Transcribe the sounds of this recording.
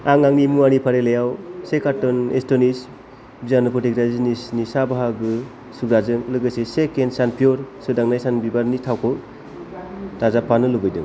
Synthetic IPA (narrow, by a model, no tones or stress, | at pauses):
aŋaŋnimuanipʰaɾelejawsekatɔnestɔnis | bizanɯpʰɯtikɾazinisnisabaɦaɡɯ | suɡɾazɯŋlɯɡɯsesekensanpʰiɔɾsɯdaŋnajsanbibaɾnitʰawkʰɯ | tazapʰːanɯlubɯjdɯ̰ŋ